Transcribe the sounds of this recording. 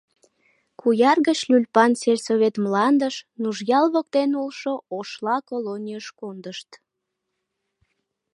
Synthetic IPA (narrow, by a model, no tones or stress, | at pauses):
kujɑrɣət͡ɕlʲylʲpɑnserʲsoβʲet̪mlɑnd̪əʃnuʒjɑlβok̚t̪enulʃooʃlɑkolonʲiəʃkond̪əʃt̪